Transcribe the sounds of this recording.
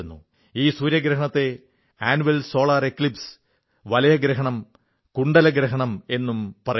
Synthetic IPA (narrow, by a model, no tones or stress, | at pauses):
unːṵ | iːsuːɾjɐɡɾɐɦɐɳɐt̪ːe̞ | aːnuʋelso̞ːɭaːre̞kːlips | ʋɐlɐjɐɡɾɐɦɐɳɐm | kuɳɖɐlɐɡɾɐɦɐɳɐme̞nːumpɐrɐ